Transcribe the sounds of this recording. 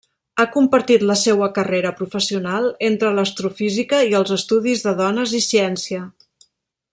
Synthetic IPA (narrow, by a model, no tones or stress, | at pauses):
akumpəɾt̪it̪ləsewəkəreɾəpɾufəsiunalˠent̪ɾələst̪ɾufizikəiəlˠzəst̪uðizðəðɔnəzisiɛnsiə